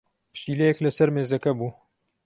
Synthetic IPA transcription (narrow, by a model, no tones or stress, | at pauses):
pɨ̥ʃiːlɛjeklɐsɐɾmeːzɐkɐbuː